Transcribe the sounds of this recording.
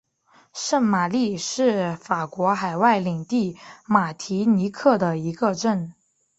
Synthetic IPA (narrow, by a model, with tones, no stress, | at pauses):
ʂə˥˩nma˨˩li˥˧ʂɻ̩˥˩fa˨˩kwɔ˧˥xa˨˩ɪwa˥˩ɪli˨˩ŋt̪i˥˩ma˨˩t̪ʰi˧˥ni˧˥kʰɤ˥˩d̪ə˩i˧˥ɡə˧ʈ͡ʂə˥˩n